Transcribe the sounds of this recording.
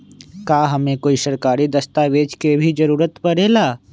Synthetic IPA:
kaːɦɐmẽkoːiʃɐɾkaːɾid̪ɐst̪aʋeːd͡ʒkebʱid͡ʒɐɾuːɾət̪pɐɾeːlaː

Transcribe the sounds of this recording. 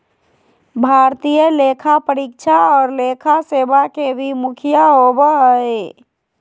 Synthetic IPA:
bʱaɾt̪ijəlekʰapəɾik̚t͡ʃʰaɔːɾlekʰasebakebʱimukʰijaɦobəɦəj

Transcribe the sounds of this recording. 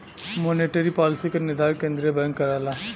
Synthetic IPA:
moːneʈəɾipɔːlɪsikenɪɾd̪aːɾkẽːnd̪ɾiebɛ̃ŋkːɐɾaːlaː

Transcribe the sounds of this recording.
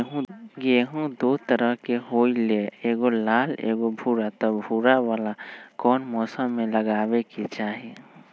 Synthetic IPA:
ɡeɦũd̪ot̪əɾəɦkeɦoːileeːɡolaːlḛːɡobʱuɾat̪ɔbʱuɾawaːlakɔːnmɔːsəmːẽləɡaːweket͡ʃaːɦi

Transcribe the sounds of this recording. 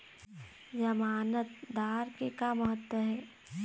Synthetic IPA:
d͡ʒɐmaːnət̪d̪aːɾkekamɐɦət̪wəɦɛː

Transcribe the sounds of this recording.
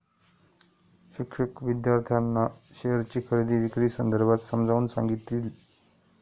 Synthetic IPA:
ɕikʂəkʋid̪jaɾt̪ʰjanːaɕeɦəɾt͡ɕiːkʰəɾid̪ʱiːʋikɾiːsənd̪əɾbʱat̪səmd͡zʱauːnsa̰ŋɡit̪ːiːl

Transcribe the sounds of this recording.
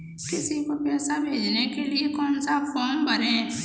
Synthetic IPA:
kɪsikopɛːsabʱeːd͡ʒnekeliekɔːnsafʰɔːmbəɾɛ̃ː

